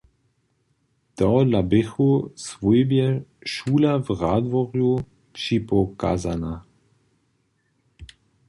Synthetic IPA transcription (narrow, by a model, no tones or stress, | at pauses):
t̪ɔlabɪxusvojbjɛʃuːlavʁaːd̪vɔʁju | t͡ʃipɔka̰ːzana